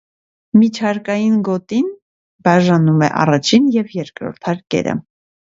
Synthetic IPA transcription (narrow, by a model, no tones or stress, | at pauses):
mit͡ʃʰɑɾkɑjinɡɔt̪in | bɑʒɑnumɛ̰ʔɑ̰rɑt͡ʃʰinjɛvjɛɾkɾɔ̰ɾt̪ʰɑɾkɛ̰ɾə̰